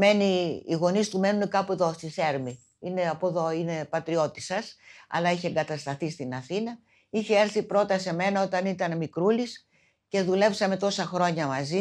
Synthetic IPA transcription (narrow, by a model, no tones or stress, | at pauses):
me̞niːɣo̞nist̪ume̞nunekɐpueðo̞st̪iθe̞ɾmi | ine̞ɐpoðo̞ine̞pɐt̪ɾio̞t̪isɐsɐ̰lɐiçeeŋɡɐt̪ɐst̪ɐθist̪inɐθinɐ | içe̞eɾθipɾo̞t̪ɐse̞me̞nɐot̪ɐnit̪ɐnmikɾulis | ce̞ðule̞psɐme̞t̪o̞sɐxɾo̞ɲɐmɐzi